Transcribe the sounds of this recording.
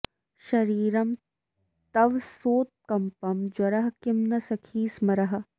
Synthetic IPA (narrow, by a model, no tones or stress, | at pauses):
ʃɐɾiːɾɐm | t̪ɐʋsoːt̪̚kɐmpɐmd͡ʒwɐɾɐɦkɪmnɐsɐkʰiːsmɐɾɐɦɐ̆